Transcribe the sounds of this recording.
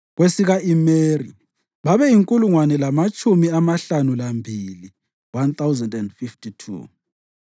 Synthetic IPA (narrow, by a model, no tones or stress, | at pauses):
ɣwesiɣaimeːri | βaβɛjiŋkʼuluŋwanɛlamat͡ʃʼumiamaɬanulambʱili | want̪awzɛndɛndfiftitʰṵ